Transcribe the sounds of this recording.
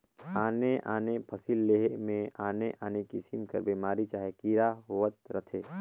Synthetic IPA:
aːneʔaːnepʰɐsilːeːɦemẽaːneʔaːnekisimkɐ̰ɾbiːmaːɾit͡ʃaːɦekiɾaɦoːʋət̪̚ɾət̪ʰeː

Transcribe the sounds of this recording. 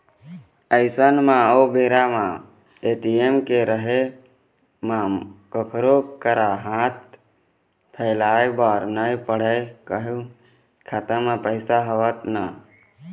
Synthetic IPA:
əɪsənmãoːbeːɾamã | eːʈiemkeɾəɦe | mãkəkʰɾokəɾaɦãt̪̚ | pʰəːlaːebaːɾnəipəɽəjkəɦu | kʰat̪əmãpəɪsaɦəʋət̪na

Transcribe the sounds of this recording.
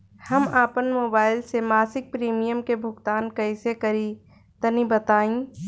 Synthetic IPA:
həmaːpənmoːbaːɪlsemaːsɪk̚pɾiːmijəmkebʱʊɡt̪aːnkɐɪsekɐɾi | t̪ənibət̪aːĩ

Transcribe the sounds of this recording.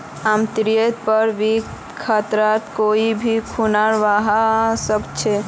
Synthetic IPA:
amt̪ɾijet̪̚pəɾʋik | kʰat̪ɾat̪koibʱikʰunaɾʋaɦasəkt͡ʃʰɛ

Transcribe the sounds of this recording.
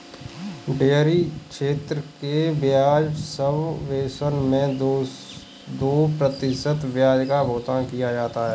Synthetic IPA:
ɖeːɾikʃeːt̪ɾəkeʋjaːd͡ʒsəbʋeːsənmẽ | d̪oːpɾət̪ɪʃət̪ʋjaːd͡ʒkabʱoːt̪akijad͡ʒaːt̪aɦɛː

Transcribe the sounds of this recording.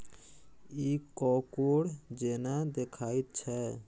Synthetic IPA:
iːkɔkoɽd͡ʒenad̪ekʰaːit̪̚t͡ʃʰɛ

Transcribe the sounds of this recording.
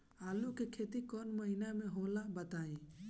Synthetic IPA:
aːlukekʰet̪ikɔːnməɦinameɦolabət̪aːi

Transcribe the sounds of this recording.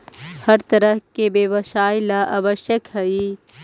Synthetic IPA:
hɐɾt̪ɐɾəɦkebeʋəʃaːjlaʔɐʋəʃjəkɦɐi

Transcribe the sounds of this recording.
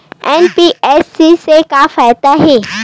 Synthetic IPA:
enpiʔeːsisekaːfaːɪd̪aɦeː

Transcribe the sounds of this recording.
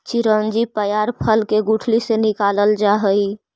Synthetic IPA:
t͡ʃiɾənd͡ʒipəjaɾpʰəlkeɡuʈʰlisenikaləld͡ʒaɦəi

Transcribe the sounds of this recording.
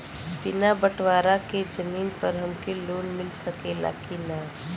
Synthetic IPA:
pɪnabəʈwaːɾaked͡ʒɐmiːnpɐɾɦɐmkeloːnmɪlsɐkela̰ːkina

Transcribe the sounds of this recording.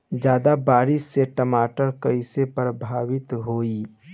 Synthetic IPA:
d͡ʒjaːd̪abaːɾɪsːeʈəmaːʈəɾkəɪsepɾəbʱaːwɪt̪ɦoːi

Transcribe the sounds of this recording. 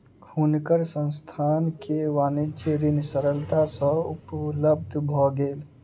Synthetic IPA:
kʰuːnkəɾsə̃nst̪ʰaːnkeʋaːnɪt͡ʃeɾinsəɾəlt̪asɔ̃ʊpləb̚d̪ʱbʱɔɡeːl

